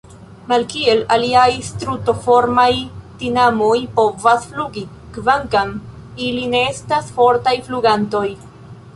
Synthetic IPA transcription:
malkie̞laliajstɾuto̞fo̞ɾmajtinamo̞jpo̞vasfluɡi | kvaŋkam | iline̞estasfo̞ɾtajfluɡanto̞j

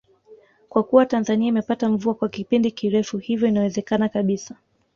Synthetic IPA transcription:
kwakuwatanzaniaimɛpataɱ̩vuakwakipindikiɾɛfuhivjɔinawɛzɛkanakaɓisa

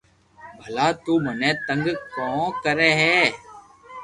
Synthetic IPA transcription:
bʱəlaːt̪uːmənɛ̃ːt̪ə̃ŋɡkɔ̃ːkəɾeːɦɛː

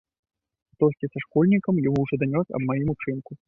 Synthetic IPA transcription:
t̪ɔsʲkʲisaʂkɔlʲnʲikɐmjamuwʐɔd̪anʲɔsʲɐ̰bmajimut͡ʂɨnku

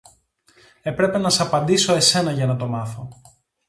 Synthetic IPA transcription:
e̞pɾe̞pe̞nɐsɐpɐnd̪iso̞e̞se̞nɐʝɐnɐt̪o̞mɐθo̞

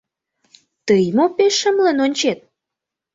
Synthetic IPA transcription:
t̪əjmopeʃːə̆mlenonʲt͡ɕet̪̚

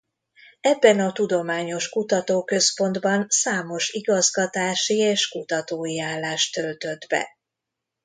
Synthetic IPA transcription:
ɛbːɛnɒt̪ud̪o̞maːɲo̞ʃkut̪ɒt̪oːkø̞spo̞nd̪bɒnsaːmo̞ʃiɡɒzɡɒt̪aːʃieːʃkut̪ɒt̪oːjiaːlːaːʃt̪ølt̪ø̞d̪bɛ̰

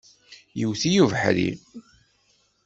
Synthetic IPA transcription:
jəwθijuvħɾḭ

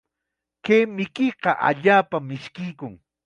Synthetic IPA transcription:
keːmɪkɪqɑʔa̰ʎaːpamɪʃkɪjkʊŋ

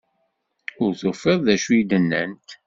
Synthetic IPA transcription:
ʊɾθofəðˤðæʃuid̪ənːə̰nt̪

